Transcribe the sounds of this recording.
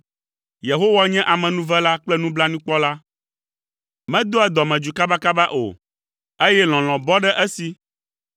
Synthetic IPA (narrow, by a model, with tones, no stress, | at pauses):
je˨ɦo˦wa˦ɲɛ̃˦ʔa˨mɛ̃˨nũ˦vɛ˦la˦k͡plɛ˦nũ˦bla˦nũ˦k͡pɔ˦la˦ | mɛ̃˦d̪o˦ɛ˨d̪ɔ˨mɛ̃˨d͡ʒu˨ka˦ba˦ka˦ba˦ʔo̰˨ | e˦jɛ˦l̃ɔ̃˨l̃ɔ̃˨bɔ˦ɖɛ˦ʔɛ˦si˨